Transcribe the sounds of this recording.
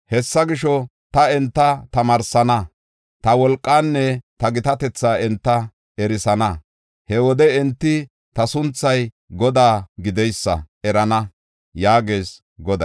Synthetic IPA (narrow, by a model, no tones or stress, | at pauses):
hɛsːɐɡɪʃɔ | t̪ɐɛnt̪ːɐt̪ɐmɐɾsɐnɐ | t̪ɐwɔlkʼːaːnːɛt̪ɐɡɪt̪ɐt̪ɛt͡sːaːɛnt̪ːɐ | ɛɾɪsɐnɐ | hɛwɔd̪ɛɛnt̪ːɪ | t̪ɐsʊnt͡sːɐj | ɡɔd̪aːɡɪd̪ɛjsːɐ̰ɛɾɐnɐ | jaːɡeːs | ɡɔd̪ɐ